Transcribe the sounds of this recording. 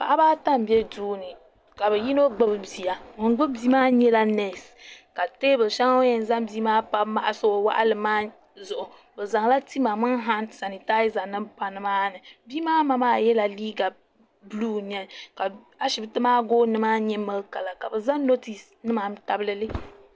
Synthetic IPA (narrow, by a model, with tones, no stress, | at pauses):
ka˨ʔa˦baː˦ta˦m˨bɛ˦duː˦nɨ˨ | ka˨bɛ˨ji˦no˦ɡ͡bɨ˦bɨ˦bi˨a˨ŋɔ˨ŋ˦ɡ͡bʊ˦bi˦maː˦ɲɛ˦la˦nɛ˨s | ka˨teː˦bɨ˨lʃa˦ŋ˦o˦jɛ˨n˦za˦mbiː˦maː˦pa˦ma˦ʔa˨so˦˨wa̰˦ʔa̰˦lɨ˨maː˦ | zʊ˨ʔʊ˨ | bɛ˨za˨ŋla˦ti˦ma˨mɨ˦n˦ɦa˦nsa˨ni˨ta˦ɪ˦za˨nɨ˦mpa˨nɨ˦maː˦nɨ˨biː˦maː˦ma˦maː˦jɛ˦la˨liː˦ɡa˨ | bluː˦ɲ˦ɛ˨ka˨ | a˦ʃɪ˨bɨ˦tɨ˦maː˦ɡoː˦nɨ˦maː˦ɲɛ˦mɨ˦lka˨la˨ka˨bɨ˨za˦no˦ti˨s | nɨ˦ma˨m˦ta˨bɨ˦lɨ˦lɨ˦